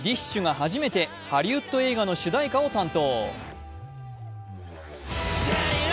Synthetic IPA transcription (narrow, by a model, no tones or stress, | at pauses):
d̪ʲiɕɕɨɡahaʑime̞t̪e̞ | haɾʲiɯt̪ːo̞e̞ːɡano̞ɕɨd̪aikao̞t̪ãnt̪o̞ː